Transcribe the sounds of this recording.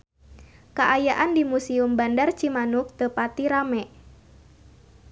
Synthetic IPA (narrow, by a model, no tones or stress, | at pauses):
kaʔajaʔandimusiumbandart͡ʃimanʊk̚t̪əpat̪iɾamɛʔ